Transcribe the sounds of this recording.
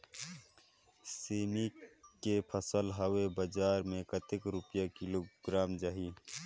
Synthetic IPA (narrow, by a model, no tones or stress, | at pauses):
siːnikepʰəsəlɦəwebəd͡ʒaːɾmẽkət̪ɪkɾʊpjakɪloɡɾaːmd͡ʒaɦi